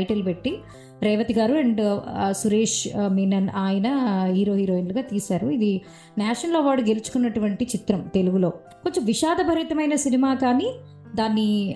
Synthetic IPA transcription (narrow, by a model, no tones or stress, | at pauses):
jʈelupe̞ʈːi | ɾɛːʋɐt̪iɡaːɾuɐɳɖsuɾeːʂmiːnɐnaːjɐnɐɦiːɾo̞ːɦiːɾoːinluɡaːt̪iːsaːɾuid̪i | naːʂɐnloːʋaːɽuɡe̞lut͡ʃu̥kunːɐʈuʋɐɳʈit͡ʃit̪ɾɐmt̪e̞luɡulo̞ː | ko̞ɲt͡ʃɐmʋiʃaːd̪ɐbʱɐɾiːt̪ɐmɐjnɐsinimaːkaːniː | d̪aːnːi